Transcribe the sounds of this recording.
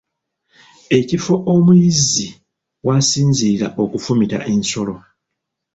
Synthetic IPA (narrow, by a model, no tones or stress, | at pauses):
e̞cifo̞ʔomujizi | wasiːnziɾa̰ʔo̞kufumita̰ʔe̞nso̞lo̞